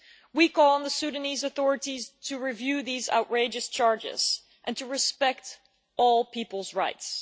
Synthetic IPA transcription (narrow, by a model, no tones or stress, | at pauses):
wikʰɔlˠə̃nðəsʉɾɨnizəθɔɹɨɾiz̥tʰɨɹivjʉðiza̰ʊʔɹeɪd͡ʒɨst͡ʃʰɑɹd͡ʒɪ̰z̥ | ʔɨ̃ntʰɨɹɨspɛk̚t | ʔɔlˠpʰipl̩ˠzɹaɪts